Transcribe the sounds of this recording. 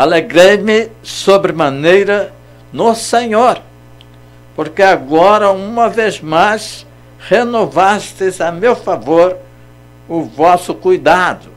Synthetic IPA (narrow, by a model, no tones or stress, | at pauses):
aleɡɾejmɪsobɾɪmɐ̃nejɾɐ | nʊseɲoɾ | poɾkeaɡɔɾɐũmɐvezmajs | henovast̪ɪzamewfavoɾ | ʊvɔsʊkujd̪ad̪ʊ